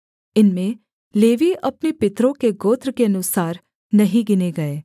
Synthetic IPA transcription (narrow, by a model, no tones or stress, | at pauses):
ɪnmẽ | leːʋiɐpnepɪt̪ɾõkeɡoːt̪ɾkeɐnʊsaːɾ | nɐɦĩɡɪneɡɐeː